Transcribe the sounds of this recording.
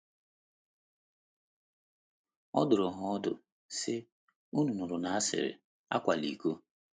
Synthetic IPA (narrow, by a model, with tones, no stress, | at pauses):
ɔ̰˦dʊ˨ɾʊ˨ɦʊ˨ɔ˦dʊ̰˨ | sɪ˦ | u˦nu˨nʊ˨ɾʊ˨na˨a˦sɪ̰˨ɾɪ̰˨ | a̰˦kʷa˨lḭ˨ku˦